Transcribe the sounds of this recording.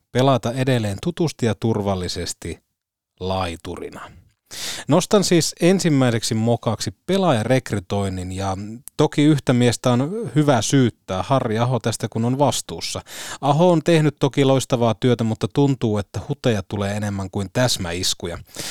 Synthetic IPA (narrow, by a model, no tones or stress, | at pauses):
pe̞lɑt̪ɑedelːe̞ːnt̪ut̪ust̪ijɑt̪urʋɑlːisest̪i | lɑit̪urḭnɑ | nost̪ɑnsiːsensimːæise̞ksimokɑksipe̞lɑjɑre̞kryt̪o̞ininjɑt̪okiyht̪æmiest̪æonhyʋæsyːt̪ːæːhɑrːiɑɦot̪æst̪ækunonʋɑst̪uːsːɑɑɦoːnt̪e̞hnyt̪t̪ːokiloist̪ɑʋɑːt̪yøt̪æmut̪ːɑt̪unt̪uːet̪ːæhut̪ejɑt̪uleːene̞mːæŋkuint̪æsmæ̰iskujɑ̰